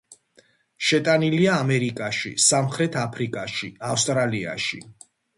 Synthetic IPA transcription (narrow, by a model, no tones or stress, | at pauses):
ʃɛt̪ʼaniliaːmɛɾikʼaʃisamχɾɛt̪ʰapʰɾikʼaʃiafst̪ʼɾalia̰ʃḭ